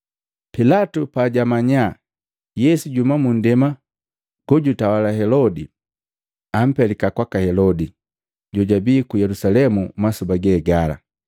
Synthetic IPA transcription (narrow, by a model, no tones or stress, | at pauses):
pilatupaːɟamaɲa | jɛsuɟumamun̩dɛma | ɡ̥ɔɟutawalaɦɛlɔdi | am̩pɛlikakwakahɛlɔdi | ɟɔɟabiːkujɛlusalɛmumasubaɡɛːɡala̰